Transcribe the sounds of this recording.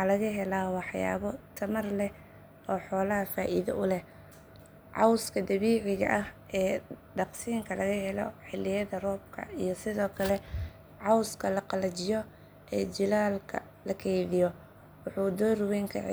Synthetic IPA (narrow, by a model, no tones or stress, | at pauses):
ɑːlɐɣɐɦɛlaːwɑħja̰ːβɔt̪ʰɐmɐrlɛ | ɔːħɔːlɐɦɐfaːʔiðɐ̰ʔʊlɛ | ʕɑwskʰɐd̪ɐβiːʕɪɣɐ̰ʔɐhʔɛːɖɑqsiːŋkʰɐlɐɣɐɦɛlɔ̰ħɪlːɪjɐðɐrɔːb̚kʰɐ̰ijɔsɪðɔːkʰɐlɛ | ʕɑwskʰɐlɐqɑlɐt͡ʃɪjɔ | ʔɛːd͡ʒɪlaːlkʰɐ̰ | lɐkʰɛjðɪjɔ | wɑħuːd̪ɔːrʊwɛːŋkʰɐ̰ʕ̰